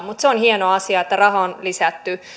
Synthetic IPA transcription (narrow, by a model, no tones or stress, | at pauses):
mut̪seonhienoɑsiɑet̪ːærɑhɑonlisæt̪ːy